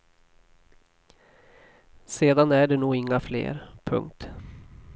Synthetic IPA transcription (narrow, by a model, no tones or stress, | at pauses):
seːd̪anæɖɛnuːɪŋːaflḛːɾpʰɵ̰ŋk̚t̪